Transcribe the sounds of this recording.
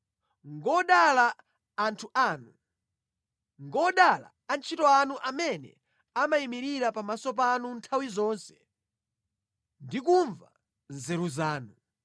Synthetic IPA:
ŋɡɔɗalaː | ntʰuʔaːnu | ŋɡɔɗala̰ːnt͡ʃʰitɔanuʔamɛnɛ̰ | amaimiɾiɾapamasɔp̬anuntʰawizɔːnsɛ̥ | ndikuɱva | nzɛɾuzaːnu

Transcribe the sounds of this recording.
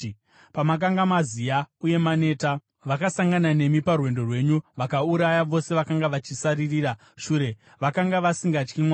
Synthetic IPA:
pamak̬aŋɡamazijauje̞mane̞ːta | ʋakasaŋɡanane̞miparwe̞ndo̞rwe̞ɲuʋakauɾajaʋo̞se̞ʋakaŋɡaʋat͡ʃisaririːra | ʃuːɾe̞ | ʋakaŋɡaʋasiŋɡat͡ʃkimwa

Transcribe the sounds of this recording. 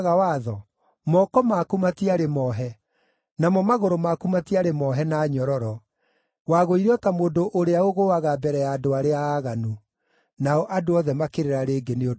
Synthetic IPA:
ɣawaðɔ | mɔkɔmakumatiaɾemɔɦɛ | namɔmaɣoɾomakumatiaɾemɔɦɛnaːɲɔɾɔɾɔ | waɣoiɾeɔtamoːndoʔoɾeaoɣowaɣabɛɾɛjaːdoaɾeaːɣanu | naɔʔadoɔðɛmakeɾeɾaɾeːɡeneo

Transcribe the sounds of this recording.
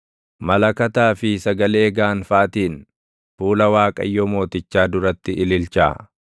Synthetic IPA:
mɐlɐkɐt̪aːfɪsɐɡɐle̞ːɡaːnfaːt̪iːn | fuːlɐwaːkʼɐ̰jːoːmo̞ːt̪ɪt͡ʃːaːd̪ʊɾɐt̪ːɪʔɪlɪlt͡ʃa̰ː

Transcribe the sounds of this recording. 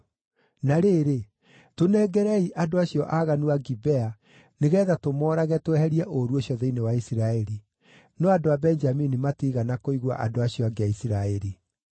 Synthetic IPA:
naɾeːɾe | tonɛːɡɛɾɛiʔadoaɕjɔʔaɣanuaɡibɛa | neɣɛːðatomɔːɾaɣɛtwɛhɛɾiɛʔoɾuoɕiɔðeinewaisiɾaɛɾi | nɔadoabɛnd͡ʒaminimatiɣanakoiɣwa̰ʔa̰doaɕiɔaɡeaisiɾaɛɾi

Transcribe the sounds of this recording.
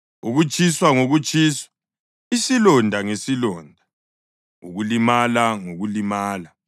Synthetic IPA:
uɣut͡ʃʰʼiswaŋoɣut͡ʃʼʰiːswḁ | isilɔndʱaŋesilɔːndʱa | ṵɣulimalaŋoɣulimaːla

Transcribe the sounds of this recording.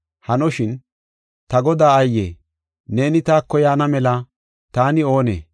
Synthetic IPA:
hɐnɔʃɪn | t̪ɐɡɔd̪aːɐjːḛː | ne̞ːnɪt̪aːkːɔjaːnɐmɛlɐ | t̪aːnɪo̞ːnḛː

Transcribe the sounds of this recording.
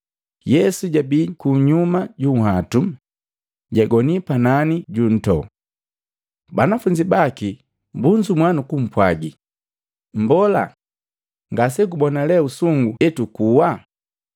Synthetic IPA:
jɛsuɟabikuɲumaɟuŋ̩ɦatu | ɟaɡɔnipananiɟun̩tɔ̰ | banafuɲd͡ʒibaki | mbuɲd͡ʒumwanukum̩pwaɡi | m̩bɔla̰ | ŋɡasɛk̬ubɔnalɛusuŋɡuɛtukuwa

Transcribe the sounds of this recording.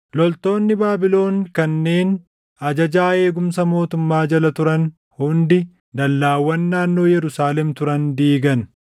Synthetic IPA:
lɔlt̪o̞ːnːɪbaːbɪlo̞ːŋkɐnːe̞ːn | ɐd͡ʒɐd͡ʒaːe̞ːɡʊmsɐmo̞ːt̪ʊmːaːd͡ʒɐlɐt̪ʊɾɐn | hʊnd̪ɪ | d̪ɐlːaːwːɐnːaːnːo̞ːjɛɾʊsaːlɛmt̪ʊɾɐnd̪iːɡɐn

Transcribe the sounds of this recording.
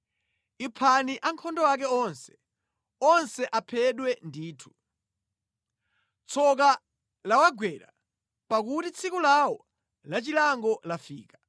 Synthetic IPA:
ipʰaniʔaŋkʰɔndɔwak̬ɛɔnsɛ̥ | ɔnsɛʔapʰɛɗwɛndiːtʰu̥ | t͡sʰɔk̬a | lawaɡwɛɾa̰ | pak̬utit͡sʰikulawɔ | lat͡ʃilaŋɡɔlafiːka

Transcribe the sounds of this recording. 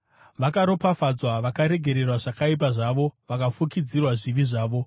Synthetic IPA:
ʋakaɾo̞pafad͡zwaʋakaɾe̞ɡʱe̞ɾe̞rwaʐakaip̬aʐaʋo̞ʋakafukid͡zirwaʐiʋiʐaːʋo̞

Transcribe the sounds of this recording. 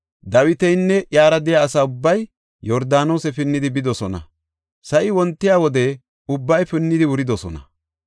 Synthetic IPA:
d̪ɐwɪt̪ɛjnːɛʔjaːɾɐd̪ɪjaːsaʊbːɐj | jɔɾd̪aːno̞ːsɛfɪnːɪd̪ɪbɪd̪ɔsɔnɐ̰ | sɐʔɪwɔnt̪ːɪjaːwɔd̪ɛ | ʊbːɐjfɪnːɪd̪ɪwʊɾɪd̪ɔsɔnɐ̰

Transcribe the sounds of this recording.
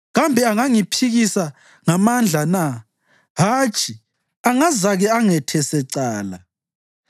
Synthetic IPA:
ɣambʱɛaŋaŋipʰiɣisa | ŋamand͡ɮʱana | ɦaːt͡ʃʼi | aŋazaɣɛaŋɛtʰɛsɛǀaːla̰

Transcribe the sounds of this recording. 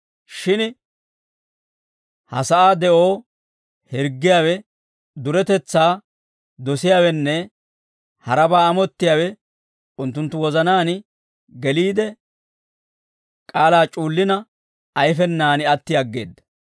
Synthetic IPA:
ʃɪn | hɐ̰sɐʔaːd̪ɛʔo̞ː | hɪɾɡːɪjaːwɛ | d̪ʊɾɛt̪ɛt͡sːaː | d̪ɔsɪjaːwɛnːɛ | hɐɾɐbaːɐmɔt̪ːɪjaːwɛ | ʊnt̪ːʊnt̪ːʊwɔzɐnaːn | ɡɛliːd̪ɛ | kʼaːlaːt͡ʃʼuːlːɪnɐ | ɐjfɛnːaːnɪɐt̪ːɪjɐɡːe̞̰ːd̪ːɐ̥

